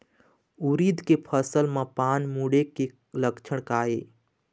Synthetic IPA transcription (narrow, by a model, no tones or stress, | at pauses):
uɾid̪ʱkepʰəsəlmãpaːnmuɽeke | ləkt͡ʃʰəɽ̃kaːe